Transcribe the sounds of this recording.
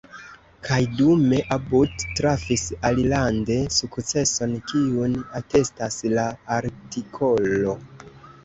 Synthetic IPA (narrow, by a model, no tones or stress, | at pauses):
kʰajdume̞ʔabuttɾafisalilande̞sukt͡se̞so̞nkiunate̞staslaːɾtikʰo̞lo̞